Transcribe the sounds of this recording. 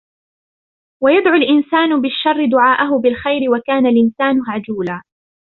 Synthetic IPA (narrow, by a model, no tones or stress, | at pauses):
wajad̪ʕʊlʔɪnsaːnʊbɪʃːɑrˤːɪd̪ʊʕaːʔaɦʊbɪlxajɾɪwakaːnalʔɪnsaːnʊhʕad͡ʒuːlaː